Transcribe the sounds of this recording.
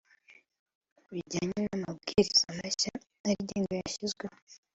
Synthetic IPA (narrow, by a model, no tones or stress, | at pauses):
βiɟaːɲenamabɡiɾiz̥amaʃaː | ɾiɟiːŋɡojaʃizɡwe